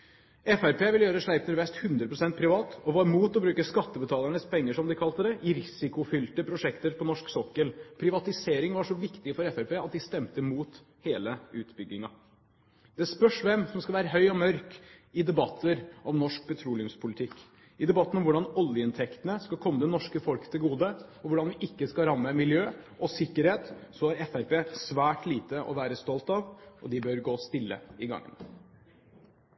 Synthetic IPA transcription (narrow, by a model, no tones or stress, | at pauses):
ɛfæɾpʰeːʋɪljøːɾəʂɭæɪpnʉɾʋɛst̪hʉnd̪ɾəpʰɾʊsɛnt̪̚pʰɾɪʋɑːt̪ɔʋɑːɾmuːt̪ɔbɾʉːkəskɑt̪ːəbət̪ʰɑːləɳəspʰɛŋːəʂɔmd̪ɪkʰɑlt̪əd̪ɛʔɪɾɪsɪkʊfʏlt̪əpʰɾʊʂɛkt̪əɾpʰɔnɔʂksɔkːəlpʰɾɪʋɑt̪ɪseːɾɪŋʋɑʂɔʋɪkt̪ɪfɔɾɛfæɾpeːɑt̪̚d̪ɪst̪ɛmt̪əmuːt̪ | heːləʉ̰ːt̪bʏɡːɪŋɑ | d̪ɛspœʂʋɛmsɔmskɑʋæːɾəɦœʏɔmœɾkɪd̪ɛbɑt̪ʰːəɾʔɔmnɔʂk̚pʰɛt̪ʰɾuːlɪʉmspʰʊlɪt̪ʰɪkː | ɪd̪ɛbɑt̪ːn̩ɔmʋʊɖɑnɔljəɪnt̪ʰɛkt̪ənəskɑlkʰɔmːəd̪ɛnɔʂkəfɔlkət̪ʰɪlɡuːd̪əɔʋʊɖɑnʋɪʔɪkːəskɑɾɑmːəmɪljøːʔɔsɪkːəɾheːt̪sɔæɾɛfæɾpeːsʋæːʈliːt̪əʔɔ̰ʋæːɾəst̪ɔlt̪ɑʋʔɔ̰d̪ɪbœɾɡoːst̪ɪlːə̰ɪɡɑ̰ŋːə̰n